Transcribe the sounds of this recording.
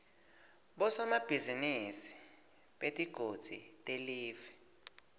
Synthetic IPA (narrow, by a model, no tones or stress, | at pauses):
ɓɔsɔmab̥ʱizinisi̥ | ɓetʼiɡ̥ʱod̥z̥ʱḭtʼeliːvɛ